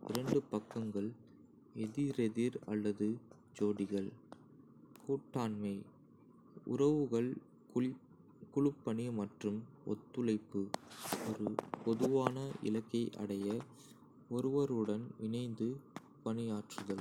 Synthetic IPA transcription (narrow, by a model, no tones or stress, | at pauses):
ʔɪ̰ɾɐɳɖɯpɐkːɐŋɡɐɭ | ɛðiɾɛðiɾɐ̰lːɐðɯ | d͡ʒoːɽɪɣɐɭ | kuːʈːaːnmɐɪ | ʊ̰ɾɐʋɯɣɐɭ | kʊɻɯpːɐɳimɐʈrɯm | ʔɔ̰t̪ːɯlɐɪpːɯɔɾɯpɔðɯʋaːnɐɪ̰lɐkːɐɪʔɐ̰ɽɐjɐ | ɔɾɯʋɐɾɯɽɐnʋɪnɐɪnd̪ɯ | pɐnɪjaːʈrɯɣɐɭ